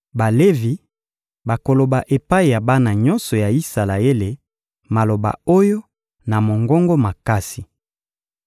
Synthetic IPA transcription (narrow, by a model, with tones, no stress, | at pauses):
ba˨le˦vi˨ | ba˨ko˨lo˨ba˨ʔe˨pa˦i˨ja˨ba˦na˨ɲɔ˦nsɔ˨ja˨i˦sa˨la˨e˦le˨ | ma˨lo˨ba̰˨o˦jo˦ | na˨mo˨ŋɡɔ˦ŋɡo˦ma˨ka˦si˨